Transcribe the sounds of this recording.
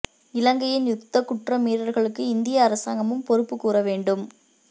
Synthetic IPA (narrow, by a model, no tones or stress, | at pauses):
ɪlɐŋɡɐjɪnjʊkt̪ːɐkːʊʈrɐmiːɾɐɾɣɐɭɯkːɯɪnd̪ɪjɐːɾɐsaːŋɡɐmɯmpɔɾɯpːɯkːuːɾɐʋeːɳɖɯm